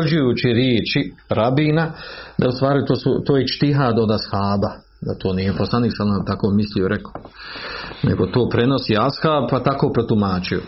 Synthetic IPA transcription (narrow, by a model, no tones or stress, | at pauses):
rd͡ʑujuːt͡ɕiɾjeːt͡ʃiɾabiːnad̪aust̪ʋaːɾit̪oːsṵt̪oːjet͡ʃt̪iɦaːd̪o̞d̪ashaːba | d̪at̪ʰo̞ːnijeposlˠaniːksaat̪ako̞ːmislijoɾeko | nḛɡo̞t̪o̞ːpɾe̞no̞siashaːb̚pat̪akoːpɾot̪umaːt͡ʃujo̰